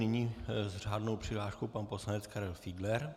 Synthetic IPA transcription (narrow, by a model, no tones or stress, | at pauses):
nɪɲiːzr̝aːdnowpr̝̥ɪɦlaːʃkowpanposlanɛt͡skaɾɛlfidlɛɾ